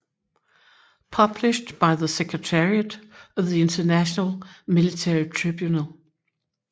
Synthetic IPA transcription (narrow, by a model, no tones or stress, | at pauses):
pʰʌblɪʃdb̥aɪðəsɛkʰɹətʰɛɹiəɾʌvðiɪ̃ntʰənæʃənəlˠmɪlɪtʰɛɹitʰɹ̥ɪbjunəlˠ